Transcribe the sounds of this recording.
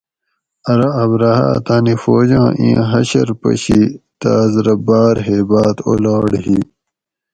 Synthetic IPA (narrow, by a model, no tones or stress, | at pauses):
ɐɾɐːbɾɐha̰ːt̪aːnifoːd͡ʑɑ̃ːʔĩɦɐɕɐɾpɐ̰ɕit̪aːzɾɐbaːɾɦeːbaːt̪o̰laːɽɦi